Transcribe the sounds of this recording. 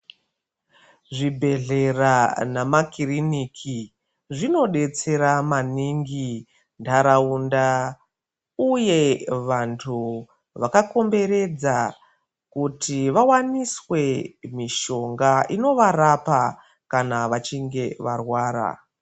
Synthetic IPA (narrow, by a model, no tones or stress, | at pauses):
ʐibʱe̞ɮe̞ranamakiriniːkʰi | ʐino̞ɗe̞t͡se̞ɾamaniŋɡi | ndaɾaunda | uje̞ʋantʰu | ʋakako̞mbe̞ɾe̞d͡za | kutiʋawaniswe̞miʃo̞ŋɡaʔino̞ʋarapa | kanaʋat͡ʃiŋɡe̞ʋarwaːɾa̰